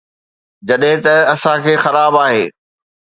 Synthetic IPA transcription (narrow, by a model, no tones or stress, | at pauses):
d͡ʑɐɗɦɪ̃t̪ɐɐsãkʰeːxɐɾaːbaːɦeː